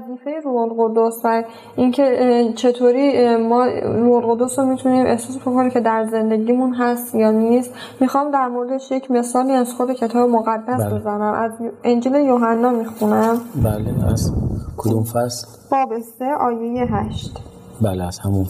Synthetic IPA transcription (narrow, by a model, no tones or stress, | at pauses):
æziːfe̞jeɾuholɣod̪osvæ | incʰe̞t͡ʃʰe̞t̪ʰoːɾiːmɒːɾuholɣod̪osɾomit̪ʰuniːmʔe̞hsɒːsbokʰoniːmcʰe̞d̪æɾze̞nd̪e̞ɡiːmunɦæst̪jɒːniːst̪ | mixɒːmd̪æɾmoɾed̪eʃjecʰme̞sɒːliːæz̥xo̞d̪e̞cʰe̞t̪ʰɒːbemoɣæd̪ːæsbezænæmʔæzend͡ʒile̞joɦænːɒːmixunæmbæleæ̰zkʰod̪umfæsl | vɒːbest̪eʔɒːjejeɦæʃt̪ | bæleæz̥hæmun